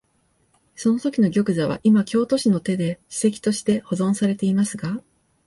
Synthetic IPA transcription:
so̞no̞t̪o̞kʲino̞ɡʲo̞kɯ̟zaβ̞a̰ʔimakʲo̞ːt̪o̞ɕino̞t̪e̞d̪e̞ɕi̥se̞k̬ʲi̥t̪o̞ɕi̥t̪e̞ho̞zõ̞ɰ̃saɾe̞t̪e̞imasɨɡa

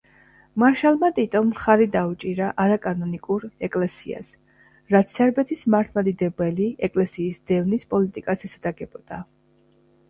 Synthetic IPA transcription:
maɾʃalˠmat̪ʼit̪ʼɔmχaɾid̪aut͡ʃʼiɾaʔaɾakʼanɔnikʼuɾɛkʼlɛsḭa̰s | ɾat̪sɛɾbɛt̪ʰismaɾt̪ʰmad̪id̪ɛbɛliɛkʼlɛsiːsd̪ɛvnispʼɔlit̪ʼikʼasɛsad̪aɡɛbɔd̪̥a

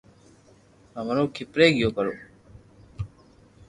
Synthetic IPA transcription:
ãːmənõːkʰipɾeːɡɪjoːkəɾoː

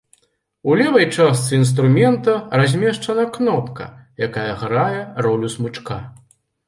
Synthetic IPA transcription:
ulʲɛvɐjt͡ʂast̪sɨinst̪ɾumʲɛnt̪ɐrazʲmʲɛʂt͡ʂɐnɐknɔpkɐ̰jakajɐɣɾajɛrɔlʲusmut͡ʂka

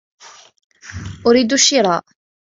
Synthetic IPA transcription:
ʔʊɾiːd̪uʃːɪɾˤɑ̰ʔ

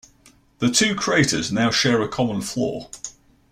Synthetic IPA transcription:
ðətʰʉːkʰɹ̥ieɪtəznaʊʃɛːɹəkʰɒmə̃nflɔ̰ː

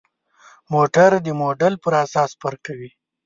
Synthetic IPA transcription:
moʈaɾd̪əmoɖalpəɾasɑːspəɾkawi

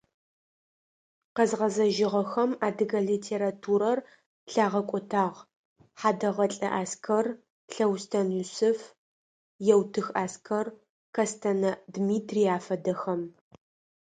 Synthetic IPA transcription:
qɐzʁɐzɐʒɪʁɐxɐmaːdɨɡɐɮitʰeːɾatʰuːɾɐr | ɬaːʁɐkʷʼɔtʰaːʁ | ħaːdɐʁɐɬʼɐ̰ʔaːskʰɐr | ɬɐwstʰɐnusɨf | jɛwtʰɨxaːskʰɐr | kʰɐstʰɐnɐdmiːtʰriaːfɐdɐxɐm

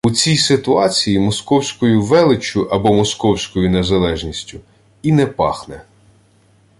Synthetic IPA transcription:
ut͡sʲijsɪt̪ʊɑt͡sʲijimɔskɔwsʲkɔjʊʋɛlˠɪt͡ʃʲʊʔɐbɔmɔskɔwsʲkɔjʊnezɐlˠɛʒnʲisʲtʲʊ | inɛpɑ̰xnɛ

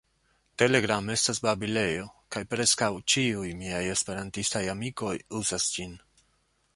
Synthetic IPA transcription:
te̞le̞ɡɾame̞stasbabile̞jo̞kajpɾe̞skawt͡ʃiujmiaje̞spe̞ɾantistajamiko̞juzasd͡ʒin

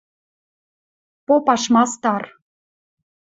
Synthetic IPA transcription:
popɑʃmɑst̪ɑr

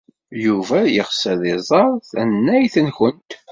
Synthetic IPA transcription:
juvæjəʁsæðɪzˤɑɾˤθænːæjθənçənt̪

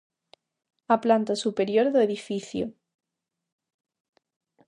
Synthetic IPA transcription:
aplant̪asupe̞ɾjoɾðoeðifiθjo̰

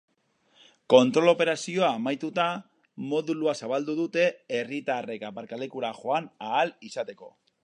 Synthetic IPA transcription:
ko̞nt̪ɾo̞lo̞pe̞ɾasio̞aːmajt̪ut̪a | mo̞ðuluasaβald̪uðut̪e̞erit̪are̞kapaɾkalekuɾaxo̞anaːlisat̪e̞ko̞̰

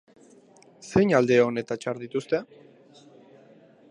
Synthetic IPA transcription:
se̞jɲald̪e̞one̞t̪at͡ʃaɾðit̪ust̪e̞

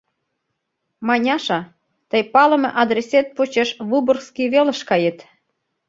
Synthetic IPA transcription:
mɑnʲɑʃɑ | t̪əjpɑlə̆mɤ̆ʔɑd̪ɾeset̪̚pot͡ɕeʃβuborskiβelə̆ʃkɑjet̪

